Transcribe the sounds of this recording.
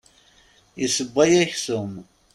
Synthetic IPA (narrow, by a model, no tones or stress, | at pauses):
jəsəbːæjæçθʊm